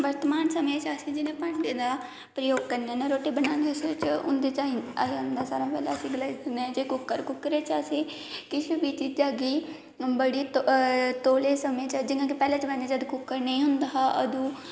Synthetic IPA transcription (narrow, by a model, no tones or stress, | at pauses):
ʋəɾt̪əmaːnsəmẽːt͡ʃəsĩːd͡ʒɪnẽːpəɳɖeːd̪aː | pɾəjoːɡ̚kəɾnɛːneɾoːʈeːbənaːneset͡ʃʊ̰nd̪eːt͡ʃaiaːiʊ̃nd̪aːsaːɾãːpɛːlɛːəsĩːɡɪlaːid̪əneːɛ̃d͡ʒekʊkːəɾkʊkːɾeːt͡ʃəseː | kɪʃubiːt͡ʃid͡ʒaːɡiː | bəɽiːt̪t̪oːleːsəmẽːt͡ʃd͡ʒɪnãːk̬ipɛːleːt͡ʃʋɛ̃nd̪eːd͡ʒəd̪kʊkːəɾnəĩːɦʊnd̪aːɦaʔə̰d̪ũː